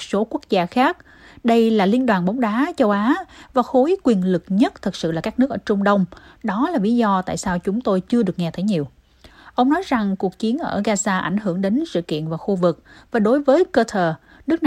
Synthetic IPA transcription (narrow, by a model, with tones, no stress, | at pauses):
so˨˦ku˦˥ək̚zaː˧xaː˦˥k̚ | ɗə˧jlaː˨˩li˧ənɗwaː˨˩nɓa˨˦wŋ͡mɗaː˨˦t͡ɕə˧wʔaː˨˦vaː˨˩xo˨˦jkwi˨˩ənlɨ˨˩k̚ɲə˦˥t̚t̪ʰɨ˨˩sɨ̰˧˨laː˨˩kaː˦˥k̚nɨ˦˥əkʔəː˧˩t͡ɕʊ˧ŋ͡mɗə˧wŋ͡mɗɔ˨˦laː˨˩vi˨˦zɔ˧t̪a̰ː˧˨jsaː˧wt͡ɕʊ˨˦ŋ͡mt̪o˧jt͡ɕɨ˧əɗɨ˨˩ək̚ŋɛ˧t̪ʰə˨˦jɲi˨˩əw | ʔə˧wŋ͡mnɔ˨˦jza˨˩ŋku˨˩ək̚t͡ɕi˨˦ənʔəː˧˩ɣaː˧zaː˧ʔa˧˩jŋ̟ɦɨ˧˩əŋɗe˨˦nsɨ̰˧˨kḭ˧˨ənvaː˨˩xu˧vɨ˨˩k̚vaː˨˩ɗo˨˦jvəː˨˦jkəː˧t̪ʰəː˨˩ | nɨ˦˥ək̚n˨